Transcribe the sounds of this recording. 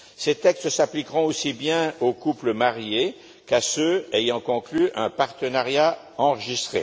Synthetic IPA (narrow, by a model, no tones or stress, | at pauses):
set̪ɛkst̪saplikʁɔ̃osibjɛ̃okupləmaʁje | kasøɛjɑ̃kɔ̃klyʔɛ̃paʁt̪ənaʁja | ɑ̃ʁəʒist̪χḛ